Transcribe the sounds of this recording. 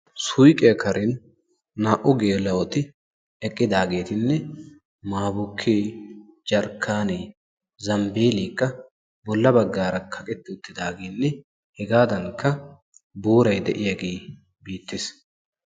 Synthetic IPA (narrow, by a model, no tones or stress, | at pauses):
sʊjkʼɛjɐkʰɐɾɛnː | aːʔʊɡe̞ːlɐwɔt̪ɪ | ɛkʼːɪd̪aːɡe̞ːt̪ɪnːɛ | maːbʊkʰːeːd͡ʒɐɾkʰːaːne | zɐmbeːliːkːɐ | bɔlːɐbɐɡːaːɾɐkʰɐkʼɛt̪ːɪʊt̪ːɪd̪aːɡeːnːɛ | hɛɡaːd̪ɐŋkːɐ | buːɾɐjd̪ɛʔɪjɐɡeː | biːt̪ːɪs